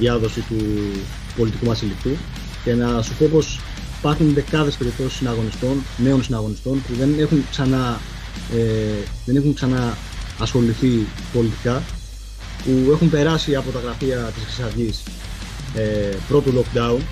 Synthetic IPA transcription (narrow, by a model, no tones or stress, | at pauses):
ðɐðo̞sit̪u | po̞lit̪ikuvɐsilikt̪u | ce̞nɐsupo̞po̞s | ipɐɾxunðe̞kɐðe̞spe̞ɾip̚t̪o̞si̥sinɐɣo̞nist̪o̞nne̞o̞nsinɐɣo̞nist̪o̞npuðe̞ne̞xuŋksɐnɐ | eðe̞ne̞xuŋksɐnɐː | sxo̞liθi | po̞lit̪i̥kɐ | pue̞xumpe̞ɾɐsiɐpo̞t̪ɐɣɾɐfiɐt̪iskɾisɐɾʝis | epɾo̞t̪olo̞kd̪ɐun